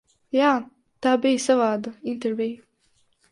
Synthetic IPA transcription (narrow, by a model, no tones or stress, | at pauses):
jaː | t̪aːbijsavaːd̪aint̪eɾvij